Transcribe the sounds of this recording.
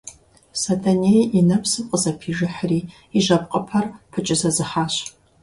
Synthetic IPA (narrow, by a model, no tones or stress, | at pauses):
sɐtʰɐnejʔinɐpsɨmqʼəzɐpʰiːʒɨħriː | iʒɐp̚ʼqʼəpʰɐrpʰɨt͡ʃʼɪzɐzɨħaːɕ